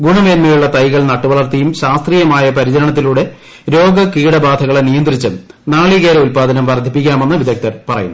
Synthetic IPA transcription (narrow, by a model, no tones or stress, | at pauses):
ɡuɳɐʋe̞ːnmɐjuɭːɐt̪ɐjɣɐɭnɐʈːuʋɐɭɐrt̪ɐjumɕaːst̪riːjɐmaːjɐpɐɾid͡ʑɐɾɐɳɐt̪̬ːiluːɽe̞ | ɾo̞ːɡɐkiːɽɐbaːd̪ʱɐɣɐɭenijɐnd̪rit͡ɕːɨnaːɭiɣeːɾɐulpaːd̪ʱɐnɐmʋɐrd̪ʱːipːikʲːaːmenːɐʋid̪ʱɐk̚t̪ɐrpɐrɐ̰jṵnːu